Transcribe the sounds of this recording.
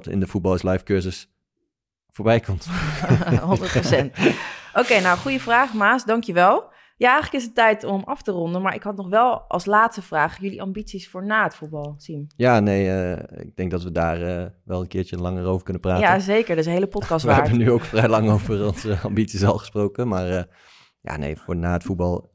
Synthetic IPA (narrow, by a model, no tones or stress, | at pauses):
tɪ̰ndəfut̚bɑlˠɪslɑjfkøɹsəs | foːɹbɛjkɔmt | ɦondəɹtprosɛntowkejnawχujəvraːχmaːsdɑŋkjəʋɛlˠ | jaːɛjχələkɪsətɛjtɔmɑftərɔndənmaːɹʔɪ̰kɦɑtnɔχʋɛlˠʔɑ̰lˠslaːtstəv̥raːχjʏliʔɑ̰mbitsisfʊːɹnaːətfut̚bɑlˠsimjaːnejəɪ̰ɡ̚dɛŋk̚dɑtʋədaːrəʋɛlˠənkɪːɹt͡ʃəlɑŋəɹowvəɹkɵnəpraːazejkəɹdɪsnɦejləpɔtkɑstʋaːɦɛɹbənyowkfrɛjlɑŋowvərɔnzəɑmbitsisɛlˠχəsprowkəmaːɹ | ja̰ːnḛjfʊːɹnaːətfud̚bɑlˠ